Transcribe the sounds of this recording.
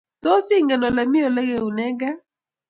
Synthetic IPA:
to˦si˦ŋɡɛ˨nɔ˨lɛ˨mi˦o˨lɛ˦ɡɛ˨u˨nɛ˦ɡa˦

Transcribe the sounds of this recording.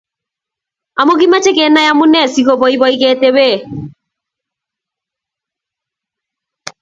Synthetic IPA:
a˨mo˦ɣi˦ma˦t͡ʃe˦ɣe˨na˦ja˦mu˦nɛ˦˨siɣo˦βɔ˨˦iβɔiɣete˦βe˦˨

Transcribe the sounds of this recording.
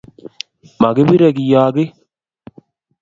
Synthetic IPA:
ma˨ɡɪ˦bi˦ɾɛ˨kɪ˨jaː˨ɡɪ˦

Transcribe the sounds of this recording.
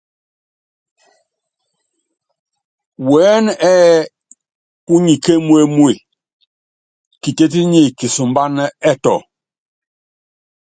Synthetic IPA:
wɛː˨˦nɛ˦ | pu˦ɲi˨ke˦mu˦e˦˨mu˦e˨ | ki˨te˦t̬i˦ɲe˦˨ki˨su˨mba˦nɛ˦ɛ˦˨tɔ̰˨

